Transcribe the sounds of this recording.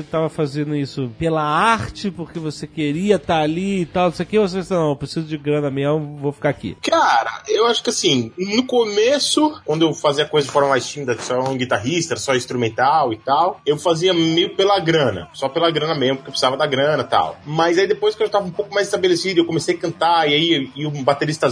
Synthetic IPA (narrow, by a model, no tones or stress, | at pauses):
et̪avɐfazẽnd̪ʊisʊpelɐaɾt͡ʃɪpʊχkevosekeɾiɐt̪aaliɪt̪awnõsejʊkevos̬eesinɐ̃w̃pɾesizʊd͡ʒɪɡɾɐ̃nɐmejɐvofi̥kaakḭkaɾɐ̰ʔewaʃʊ̥kɪasĩnʊkomesʊkw̃nd̪ʊewfaziɐkojzɐd͡ʒɪfɔɾmɐmajst͡ʃimid̪ɐsɔ̃ɡit̪aɦist̪ɐɛsɔĩst̪ɾumẽnt̪awɪt̪awewfaziɐmejʊpelɐɡɾɐ̃nɐ̰sɔpelɐɡɾɐ̃nɐmezmʊpʊkepɾsizavɐd̪aɡɾɐ̃nɐt̪a̰wmɐzaid̪epojskewʒat̪avɐũpowkʊmajzɪst̪abelesid̪ʊewkõmesejakɐ̃nt̪aiaiiʊbat̪eɾist̪ɐ